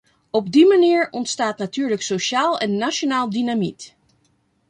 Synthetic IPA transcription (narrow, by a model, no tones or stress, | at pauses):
ɔbdimaniːɹɔntstaːtnatyːɹləksoʃaːlˠɛnːaʃonaːlˠdynamḭt